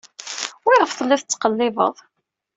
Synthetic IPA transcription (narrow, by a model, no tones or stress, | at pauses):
wiʁəfθˤəlːɪðət͡sːqəlːɪvə̰ðˤ